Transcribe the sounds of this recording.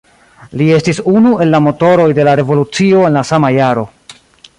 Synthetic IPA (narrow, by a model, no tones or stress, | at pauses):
lie̞stisunue̞nlːamo̞to̞ɾo̞jde̞laɾe̞vo̞lut͡sio̞e̞nlasamajaɾo̞